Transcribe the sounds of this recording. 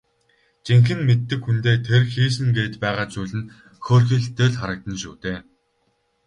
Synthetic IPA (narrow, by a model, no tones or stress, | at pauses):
t͡ɕeŋxɘ̆nmet̪ːɘ̆kxunt̪eːt̪ʰerxiːs̬ɘ̆ŋɡeːt̪pæːʁaːt͡ɕuːɮɘ̆n | xoːrxiːɮt̪eːɮχaɾə̆k̚t̪ə̆nʃuːt̪eː